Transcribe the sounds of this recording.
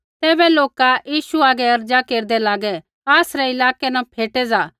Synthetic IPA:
t̪ɛːbɛloːkajiːʃuaːɡɛɐɾd͡ʒakeːɾd̪ɛlaːɡɛ | aːsɾɛɪlaːkɛnapʰeːʈɛd͡zaː

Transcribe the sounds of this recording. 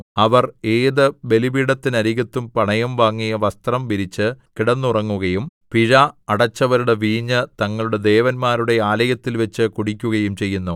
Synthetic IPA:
ɐʋɐre̞ːðɨbe̞libiːɽɐt̪ːinɐɾiɣɐt̪ːumpɐɳɐjɐmʋaːŋːijɐʋɐst̪rɐmʋiɾit͡ɕːɨkiɽɐnːurɐŋːuɣɐjumpiɻɐɐɽɐt͡ɕːɐʋɐɾuɽe̞ʋiːɲːɨt̪ɐŋːɐɭuɽe̞d̪e̞ːʋɐnmaːɾuɽe̞aːlɐjɐt̪ːilʋɐt͡ɕːɨkuɽikʲːuɣɐjumt͡ɕe̞jːunːu

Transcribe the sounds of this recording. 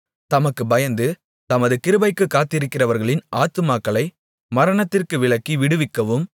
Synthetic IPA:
t̪ɐmɐkːɯbɐjɐnd̪ɯ | t̪ɐmɐðɯkɪɾɯbɐɪkːɯkːaːt̪ːɪɾɯkːɪrɐʋɐɾɣɐɭɪnʔaːt̪ɯmaːkːɐɭɐɪ | mɐɾɐɳɐt̪ːɪrkɯʋɪɭɐkːiʋɪɽɯʋɪkːɐʋɯm

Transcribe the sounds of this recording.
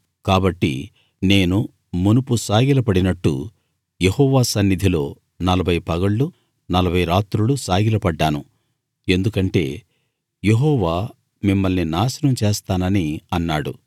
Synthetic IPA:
kaːbɐʈːḭ | ne̞ːnu | munupusaːɡilɐpɐɽinɐʈːṵ | jehɔːʋaːsɐnːid̪ʱilo̞̰ː | nɐlɐbʱɐjpɐɡɐɭːu | nɐlɐbʱɐjɾaːt̪ɾulusaːɡilɐpɐɖːaːnu | e̞nd̪ukɐɳʈe̞̰ː | jeɦɔːʋaː | mimːɐlninaːsɐnɐmt͡ʃeːst̪aːnɐniɐnːaːɽṵ

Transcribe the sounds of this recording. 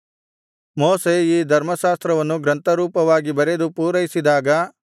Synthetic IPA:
moːseiːd̪ʱɐɾmɐʃaːst̪ɾɐʋɐnːuɡɾɐnt̪ɐɾuːpɐʋaːɡibɐɾed̪upuːɾɐjisid̪aːɡɐ

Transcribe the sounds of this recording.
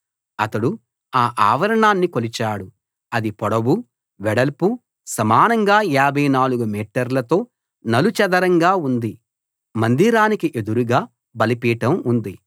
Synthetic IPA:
ɐt̪ɐɽu | aːʔaːʋɐɾɐɳaːnːikolit͡ʃaːɽu | ɐd̪ipɔɽɐbu | ʋɛɽɐlpu | sɐmaːnɐŋɡaːaːbʱɐjnaːluɡumiːʈːɐɾlɐt̪o̞ː | nɐlut͡ʃɐd̪ɐɾɐŋɡaːund̪i | mɐnd̪iːɾaːnikiʔe̞d̪uɾuɡaː | bɐlipiːʈɐmund̪i

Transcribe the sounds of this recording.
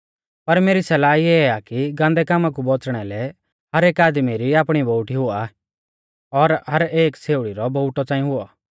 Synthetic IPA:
pɐɾmeːɾisɛlaːiɛakiɡãːnd̪ɛkaːmãk̬ubɔt͡sɽ̃ɛlɛ | ɦɐɾeːkaːd̪miɾiaːpɽ̃iboʊʈiɦʊa | ɔɾɦɐɾeːkseːʊɽiɾɔbɔʊʈɔt͡sãːĩɦʊɔ

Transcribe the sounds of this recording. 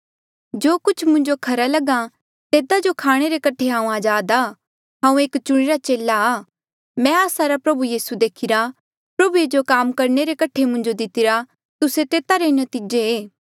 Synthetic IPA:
d͡ʒoːkʊt͡ʃʰmʊ̃ɲd͡ʒokʰɐɾalɐɡã | t̪eːd̪ad͡ʒokʰaːɽ̃eɾekɐʈʰeɦãːũaːd͡ʒaːd̪aː | ɦãːũeːkt͡ʃʊɽ̃iɾat͡ʃeːlaaː | mɛ̃aːsaɾapɾɐbujiːsud̪eːkʰɪɾa | pɾɐbued͡ʒokaːmkɐɾɳeɾekɐʈʰemʊ̃ɲd͡ʒod̪ɪt̪ɪɾa | t̪ʊset̪eːt̪aɾenɐt̪iːd͡ʒeeː

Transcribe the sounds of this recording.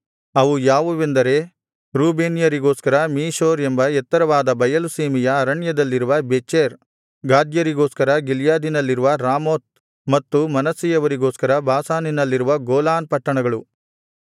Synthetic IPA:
ɐʋujaːʋuʋend̪ɐɾe̞ | ɾuːbeːnjɐɾiɡoːskɐɾɐmiːʃoːɾembɐɛt̪ːɐɾɐʋaːd̪ɐbɐjɐluseːmijɐːɾɐɳjɐd̪ɐlːiɾuʋɐbet͡ʃeːɾ | ɡaːd̪jɐɾiɡo̞ːskɐɾɐɡiljaːd̪inɐlːiɾuʋɐɾaːmoːt̪̚ | mɐt̪ːumɐnɐsijɐʋɐɾiɡo̞ːskɐɾɐbaːsaːninɐlːiɾuʋɐɡoːlaːnpɐʈːɐɳɐɡɐɭu

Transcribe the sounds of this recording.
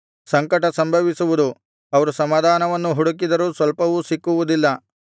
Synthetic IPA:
sɐŋkɐʈɐsɐmbʱɐʋisuʋud̪u | ɐʋɐɾusɐmaːd̪ʱaːnɐʋɐnːuɦuɽukid̪ɐɾusʋɐlpɐʋusikːuʋud̪ilːɐ

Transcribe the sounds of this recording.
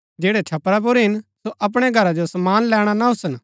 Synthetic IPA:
d͡ʒeːɽet͡ʃʰɐpɾap̬ʊɾɦɪnsoʔɐp̬ɽ̃eɡʱɐɾad͡ʒosɐmaːnlɛːɽ̃anaɦʊsən

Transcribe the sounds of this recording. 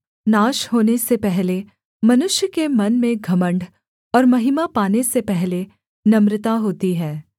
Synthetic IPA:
naːʃhoːnesepɛɦle | mɐnʊʃjəkemɐnmẽɡʱɐmə̃ɳɖʱ | ɔːɾmɐɦɪmapaːnesepɛɦle | nɐmɾɪt̪aɦoːt̪iɦɛː

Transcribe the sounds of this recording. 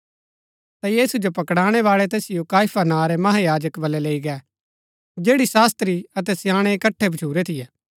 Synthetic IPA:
t̪ajiːsud͡ʒopɐkɽaːɽ̃eʋaːɭɛt̪eːsɪjokaːjpʰanaːɾɛmɐɦajaːd͡ʒəkbɐlːɛleːiɡɛ | d͡ʒeːɽisaːst̪ɾiɐt̪̬ɛsɪjaːɽ̃ekɐʈʰːebʱɐt͡ʃʰuːɾet̪ʰɪjɛː

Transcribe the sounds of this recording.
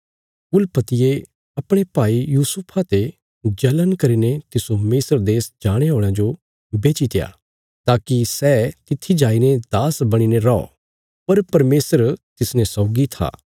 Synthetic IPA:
ʊlpɐt̪ɪje | ɐpɽ̃epaːijuːsʊpʰat̪e | d͡ʒɐlənkɐɾinet̪ɪsomɪsəɾd̪eːsd͡ʒaːɽ̃eɦoːɽ̃ãd͡ʒo | beːt͡ʃit̪eja̰ː | t̪aːkisɛːt̪ɪt̪ʰːid͡ʒaːined̪aːsbɐɽ̃ineɾɔɔ̰ | pɐɾpɐɾmeːsəɾt̪ɪsnẽsɔːɡit̪ʰa̰ː

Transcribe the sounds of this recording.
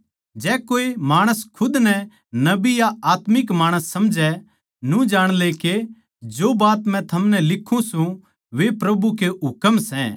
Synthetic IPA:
d͡ʒɛːkoːemaːɽ̃əskʰʊd̪nɛ | nɐbijaaːt̪mɪkmaːɽ̃əsːɐmd͡ʒɛ | nũd͡ʒaːɽ̃leke | d͡ʒoːbaːt̪mɛ̃t̪ʰɐmnɛ̃lɪkʰːũsũ | ʋepɾɐbukeɦʊkəmsɛ̃

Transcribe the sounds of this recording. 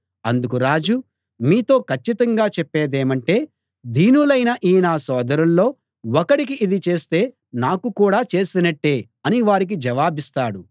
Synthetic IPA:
ɐ̰nd̪ukuɾaːd͡ʒu | miːt̪o̞ːkʰɐt͡ʃːit̪ɐŋɡaːt͡ʃɛpːe̞ːd̪eːmɐɳʈe̞ː | d̪ʱiːnulɐjnɐʔiːnaːsɔːd̪ɐɾɐnːo̞ː | wɔkɐɽik̬iʔid̪it͡ʃe̞ːst̪e̞ː | naːkukuːɽaːt͡ʃe̞ːsinɐʈːe̞ː | ɐniʋaːɾik̬id͡ʒɐʋaːbist̪aːɽu

